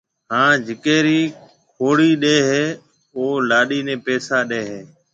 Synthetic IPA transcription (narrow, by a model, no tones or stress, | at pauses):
ɦãːd͡ʒɪkeːɾiː | kʰoːɽiːɗeːɦeː | oːlaːɗiːnẽːpeːsaːɗeːɦeː